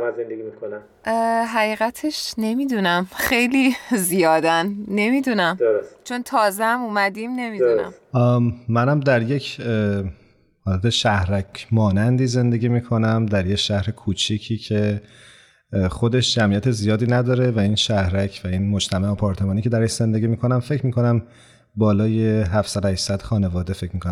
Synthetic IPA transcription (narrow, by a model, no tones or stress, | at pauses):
mæzend̪eɡimikʰonæm | ɦæɣiːɣæt̪ʰe̞ʃne̞miːd̪unæmχe̞jliːzijɒːd̪ænːe̞miːd̪unæmd̪oɾost͡ʃʰo̞nt̪ʰɒːzehæmumæd̪imne̞miːd̪uɾnæ̰mː | ænæmd̪æɾje̞cʰ | hɒːlæt̪ʰeʃæhɾæcmɒːnænd̪iːze̞nd̪e̞ɡʲiːmiːkʰo̞næmd̪æɾje̞cʃæhɾekʰuːt͡ʃʰicʰiːcʰe̞ | xo̞d̪e̞ʃd͡ʒæmijæt̪ʰezijɒːd̪iːnæd̪ɒːɾe̞væiːnʃæhɾæcʰvæinmod͡ʒt̪ʰæmæhɔpʰɒːɾt̪ʰe̞mɒːniːcʰeæɾeʃz̥e̞nd̪e̞ɡʲiːmiːkʰo̞næmfe̞cʰmiːko̞næm | bɒːlɒːje̞ɦæfsæd̪ohæʃsæd̪̥xɒːne̞vɒːd̪e̞fe̞cʰmikonæ